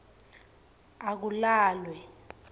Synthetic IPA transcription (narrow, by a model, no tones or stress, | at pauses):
ak̬ulaːlwɛ